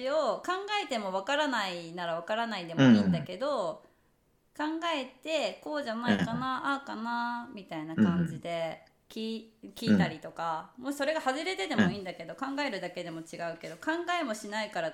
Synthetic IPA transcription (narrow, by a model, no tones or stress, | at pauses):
io̞kãŋɡae̞t̪e̞mo̞β̞akaɾanainaɾaβakaɾanaid̪e̞mo̞ĩːnd̪ake̞d̪o̞ | kãŋɡae̞t̪e̞ko̞ːʑanaikanaʔakanamʲit̪ainakãɲ̟d͡ʑid̪e̞ | kʲiːkʲiːt̪aɾʲit̪o̞kamo̞ɕi̥so̞ɾe̞ɡahaʑiɾe̞t̪e̞t̪e̞mo̞ĩːnd̪ake̞d̪o̞kãŋɡae̞ɾɯ̟d̪ake̞d̪e̞mo̞t͡ɕiɡaɯ̟ke̞d̪o̞kãŋɡae̞mo̞ɕinaikaɾa